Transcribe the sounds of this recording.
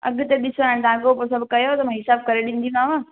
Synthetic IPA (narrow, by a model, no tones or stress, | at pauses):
ɐ̰ɡt̪eɗɪsoaːɪɽ̃t̪aãːkopoːɾsɐbʱkɐjot̪ɐmãːɦɪsaːb̚kɐɾeɗĩːnd̪iũmãːʋaː